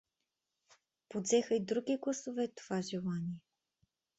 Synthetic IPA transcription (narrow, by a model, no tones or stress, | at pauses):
pod̪zɛxəid̪ɾuɡʲiɡlˠəsovɛt̪o̥v̥aʒilˠanʲiɛ